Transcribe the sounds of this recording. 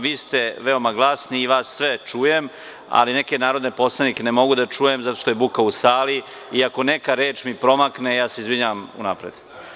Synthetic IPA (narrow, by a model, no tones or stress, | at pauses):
ʋiːst̪e̞ʋeo̞maɡlˠasniːʋaːsːʋet͡ʂuːjem | a̰lineke̞naːɾod̪ne̞po̞slˠanikenemo̞ɡud̪at͡ʂuːje̞mzat̪o̞ʃt̪ojebukausaːli | iako̞ne̞kaɾeːt͡ʃmipɾo̞makne̞jaːseizʋiɲaʋamṵnapɾed̪